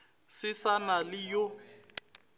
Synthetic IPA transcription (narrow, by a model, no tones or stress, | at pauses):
sɪsanalɪjo